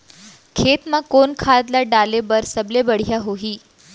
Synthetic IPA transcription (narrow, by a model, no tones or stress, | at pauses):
kʰet̪mãkonkʰad̪laɖalebəɾsəblebəɽ̤jaɦoɦiː